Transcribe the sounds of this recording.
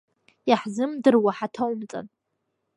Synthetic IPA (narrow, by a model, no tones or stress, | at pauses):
jaħzɨmdɨrwaħatʰawmt͡sʼa̰n